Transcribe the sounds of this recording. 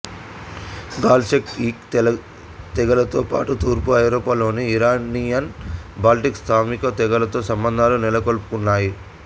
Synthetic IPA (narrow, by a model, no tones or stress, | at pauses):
ɡaːlsekiːk̪ | t̪ɛɡɐlɐt̪oːpa̰ːʈut̪uːɾpuɐjɾɔːpaːlo̞ːniːɾaːnijɐnbaːlʈikst̪ʰaːmikɐt̪ɛɡɐlɐt̪o̞ːsɐmbɐnd̪ʱaːlunilɐkolpu̥kunːaːji